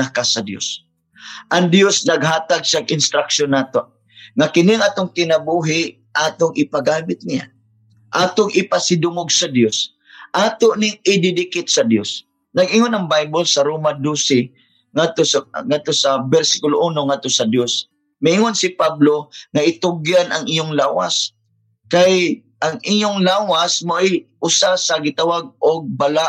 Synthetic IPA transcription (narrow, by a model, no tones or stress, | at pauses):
akasɐd̪jo̰s | ʔɐŋd̪josnɐɡ̚ɦaːt̪aɡ̚saɡʔɪnst̪ɾakʃonːaːt̪oʔ | ŋakɪnɪŋaːt̪oŋt̪ɪnabuɦɪʔ | ʔaːt̪oŋɪpaɡaːmɪt̪̚nɪja̰ | ʔaːt̪oŋɪpasɪd̪ʊŋoɡ̚sɐd̪jos | ʔaːt̪oʔnɪŋɪd̪ɪdɪkɪt̪̚sɐd̪jos | nɐɡʔɪŋonɐŋbajbolsɐɾoːmad̪usɪ | ŋad̪̚t̪osŋad̪̚t̪osɐbɛɾsɪ̥kʊloʔuːnoŋad̪̚t̪osɐd̪jos | mɪɪŋonsɪpabloŋaʔɪt̪ʊɡjanɐŋʔɪjʊŋlaːwa̰s | kaj | ʔaŋʔiɲoŋlaːwasmoʔɪjʔʊsasɐɡɪt̪awaɡ̚ʔoɡ̚balaʔ